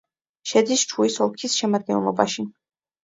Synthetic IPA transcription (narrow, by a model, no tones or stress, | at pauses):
ʃɛd̪ist͡ʃʰuisɔlˠkʰisʃɛmad̪̚ɡɛnlˠɔbaʃi